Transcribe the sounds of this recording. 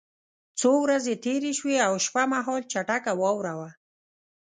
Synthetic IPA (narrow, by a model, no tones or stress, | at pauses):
t͡sowɾazet̪eɾeʃweawʃpamaɦɔlt͡ʃaʈakawɔwɾawa